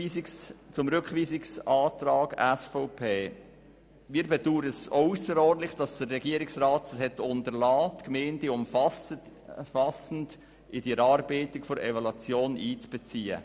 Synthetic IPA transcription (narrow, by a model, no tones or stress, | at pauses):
st͡sʊmɾʏkχʋiːsɪksɑːt̪ɾɑːɡɛsfɔʊpʰeː | miːɾbɛduːɾəsœusəɾɔrdlɪχd̥ɑsd̥ərːɛɡiːəɾɪksɾaːtəshɛtʊntəɾlɑːtkmɛːndiʊmf | fɑsn̩d | ɪdiɾɑːɾbeːtɪkfɔɾɛ̰valɑt͡sjoːniːt͡sb̥ɛt͡siːə̰